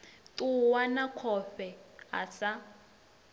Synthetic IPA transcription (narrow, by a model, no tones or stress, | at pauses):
tuwanakʰɔɸɛɦa̰sa